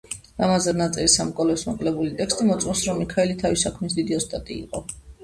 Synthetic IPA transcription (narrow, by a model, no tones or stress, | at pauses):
ɾamazɛnat̪sʼɛlisamɔkʼɔlɛsmaqʼlɛbulit̪ʼɛkst̪ʼimɔt̪sʼmɔsɾɔmikʰaɛlit̪ʰavisakʰmisd̪id̪iɔst̪ʼat̪ʼiḭqʼɔ